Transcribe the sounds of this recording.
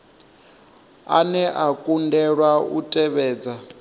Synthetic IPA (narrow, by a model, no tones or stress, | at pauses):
a̰nɛʔakʼundɛɺwaṵtʼɛβɛːd͡za